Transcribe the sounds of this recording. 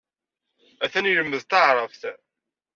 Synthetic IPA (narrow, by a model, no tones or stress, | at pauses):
æθæniləmːəðt̪ɑʕɾˤəfθ